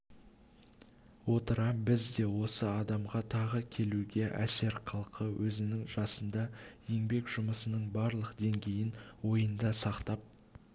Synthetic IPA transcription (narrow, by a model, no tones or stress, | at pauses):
wo̞t̪əɾɑbɪzd̪e̞wo̞səɑd̪ɑmʁɑt̪ʰɑʁəkʲʰe̞luɡʲe̞ʔæ̰se̞ɾqʰɑlˠqʰəwʔɵzɪnɪŋʒɑsənd̪ɑje̞ŋbe̞kʒ̥ʊməsənəɴbɑɾlˠəqd̪e̞ŋɡʲe̞jɪnwo̞jənd̪ɑsɑqt̪ɑp̚